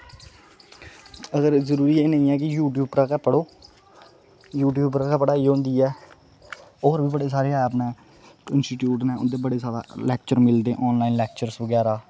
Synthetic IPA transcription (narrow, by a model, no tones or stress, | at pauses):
əɡəɾzəɾuːɾiːeːnəĩːɛːk̬ɪjuːʈjuːbpɾaːkɛpəɽoː | juːʈ̬juːbpɾaːkɛpəɽaːiːɦõːnd̪iːɛː | oːɾbiːbəɽeːs̬aːɾeːəpneː | ɪnsʈiʈjuːʈnɛ̃ːʊnd̪eːbəɽeːsaːɾa̰ːlɛːkt͡ʃəɾmɪld̪ẽːʔɔːnlaːiːnlɛːk̚t͡ʃəɾsbəɡɛːɾaː